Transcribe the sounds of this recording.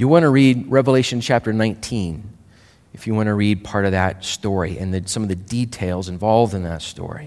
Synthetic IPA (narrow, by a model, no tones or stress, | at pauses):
jɨwɑ̃ñəɹid̚ɹɛvəleɪʃɨ̃n̩t͡ʃʰæp̚tə˞nãɪ̃ntʰĩn | ɨfjɨwɑ̃ñɨɹid̚pʰɑɹɾʌvðɨt̚stɔɹiʔɨ̃nðɨsʌ̃mʌvðɨditʰeɪlˠzɨ̃ɱvɑlˠvdɨ̃nðɨ̰tstɔ̰ɹḭ